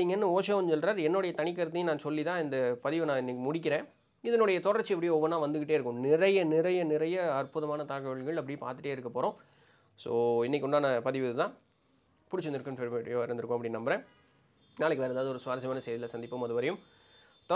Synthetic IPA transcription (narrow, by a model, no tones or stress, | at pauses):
iːŋɡɐnːɯoːʂɐɔnd͡ʒɔlɾaːɾɛnːoːɽɐjɐt̪ɐnɪk̬ːɐɾɐt̪ːɯj̃nãːsɔlːit̪ãːɪnd̪ɐpɐðɪʋɯnãːɪnːɛkʲːɯmʊɽɪk̬ːɪɾẽː | ɪðɐnoːɽɐjɐt̪ɔɽɐɾt͡ʃːɯɛpːɐɽɪjõɔʋːɐnːãːʋɐnd̪ɯkːɪʈ̬ːeːɪɾɯkːɯ̃nɪɾɐjɐnɪɾɐjɐnɪɾɐjɐɐɾpʊðɐmaːnɐt̪aːkɐʋɐɭɣɐɭɐp̬ːɐɽɪ̃pa̰ːɾt̪ɯʈːeːɪɾɯkːɐpoːɾõː | soːɪnːɪkːʊɳɖaːnɐpɐðɪʋɯðɯt̪ãː | pʊɽɪt͡ʃːɯnd̪ɪɾɯkːɯmfɛɾʋʈɪjoːɪɾɯnd̪ɯɾɯkːʊ̃ɐpːɐɽɪnːnɐmbɐɾẽː | naːɭɪkːɯʋeːɾɐd̪aːʋɐðɯɔɾɯsʊʋaːɾɐd͡ʒɐmaːnɐsɛjðɪlɐsɐnd̪ɪpːɐmɐðɯʋɐɾɐjɯm | t̪